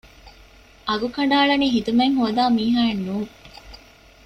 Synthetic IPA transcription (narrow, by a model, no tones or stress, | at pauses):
ʔɐɡukɐɳɖaːɭɐniːɦid̪umeŋɦoːd̪aːmiːɦaːenːuːŋ